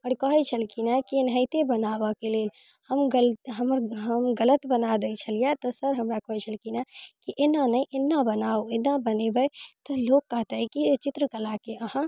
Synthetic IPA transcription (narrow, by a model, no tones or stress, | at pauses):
ɔɾkɔɦit͡ʃʰəlkinakinɦəit̪ebənaːbakeleːl | həmɡəlɦəmɾɦəmɡələt̪bənad̪əit͡ʃʰəlijat̪osəɾɦɐmɾakɔɦit͡ʃʰəlkinakiʔenanəiʔɪnːabənaːoɪnːabənebəet̪oloːɡ̚kːɐɦt̪eɦɛ̃kit͡ʃɪt̪ɾəkəlaːkeəhã